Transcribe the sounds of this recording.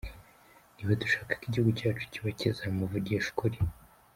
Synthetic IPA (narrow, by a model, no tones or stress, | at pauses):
niβotuʃaːkḁkiɟihuɡucaːt͡ʃu̥ciβacezamuvuɾɟeʃu̥kuɾi